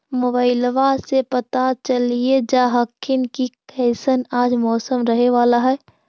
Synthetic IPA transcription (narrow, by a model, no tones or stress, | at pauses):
moːbaːɪlʋasepət̪at͡ʃəlied͡ʒaːɦəkːɪnkikʰɛɪsənaːd͡ʒmɔːsəmɾəɦeʋaːlaɦɛː